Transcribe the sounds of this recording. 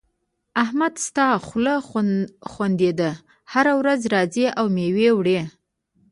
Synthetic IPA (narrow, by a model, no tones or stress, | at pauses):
ahmad̪st̪ɑxlə | xwand̪ed̪ə | haɾawɾazɾɑzeʔawmewewɽe